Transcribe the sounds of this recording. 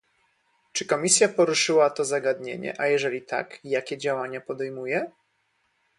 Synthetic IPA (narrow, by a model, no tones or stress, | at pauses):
t͡ʂɘkɔmʲisʲjapɔɾuʂɘwat̪ɔzaɡad̪ɲḛɲɛ̰ʔajɛʐɛlʲit̪ʰa̰kjakʲɛd͡ʑawaɲapɔd̪ɛjmujɛ